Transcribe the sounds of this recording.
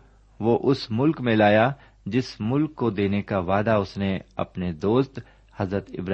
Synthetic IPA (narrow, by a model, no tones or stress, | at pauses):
ʋoʔʊsmʊlkmẽlaːja | d͡ʒɪsmʊlkːod̪eːnekaʋaːd̪aʊsneɐ̰pned̪oːst̪ | hɐzɾət̪ɪ̰bɾ